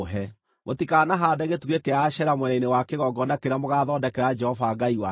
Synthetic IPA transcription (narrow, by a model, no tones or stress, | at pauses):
ɦɛ | motikaːnaɦadɛɣetuɣekeaʃɛɾamwɛɾɛinewakeɣɔɡɔndakeɾamoɣaːðɔdɛkɛɾad͡ʒɛhɔvaɡaiwa